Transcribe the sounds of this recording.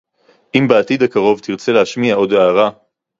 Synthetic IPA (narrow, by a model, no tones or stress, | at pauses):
ʔimbeat̪id̪hakaʁo̞vt̪iʁt͡selehaʃmiao̞daːʁa